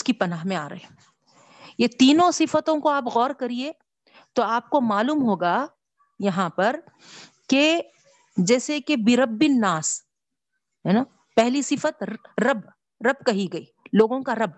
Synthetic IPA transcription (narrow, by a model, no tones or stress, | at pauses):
ʊskipɐnaːɦmẽaːɾɐ̰ɦe | jet̪iːnõsɪfət̪õkoaːpɣɔːɾkɐɾie | t̪oaːp̚komaːluːmɦoːɡa | jɐɦãpɐɾ | ke | d͡ʒɛːsekebɪɾɐbːɪnːaːs | ɦɛːna | pɛɦlisɪfət̪ɾɐb | ɾɐbkɐɦiɡɐiːloːɡõkaɾɐb̚